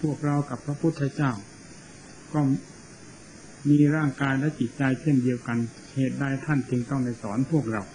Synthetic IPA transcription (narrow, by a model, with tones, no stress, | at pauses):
pʰu˥˩ək̚ɾa˧wka˨˩pʰːɾa˦˥pʰu˦˥t̪ʰːaː˧˩t͡ɕaː˥˩w | kɔː˥˩ | miː˧ɾaː˥˩ŋkaː˧jlɛ˦˥t͡ɕi˨˩t̪̚t͡ɕa˧jt͡ɕʰe˥˩ndi˧əwka˧n | heː˨˩t̪̚daː˧jt̪ʰa˥˩nt͡ɕɯ˧ŋt̪ɔ˥˩ŋda˥˩jsɔː˩˦npʰu˥˩ək̚ɾa˧w